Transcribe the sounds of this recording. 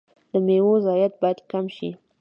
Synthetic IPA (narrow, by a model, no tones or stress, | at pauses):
d̪̥əmewozɑjat̪̚bɑjad̪kamʃi